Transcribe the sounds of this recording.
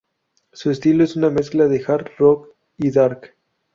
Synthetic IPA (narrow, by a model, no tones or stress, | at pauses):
sue̞st̪iloe̞suname̞sklaðe̞xaɾt̪rok | iðaɾk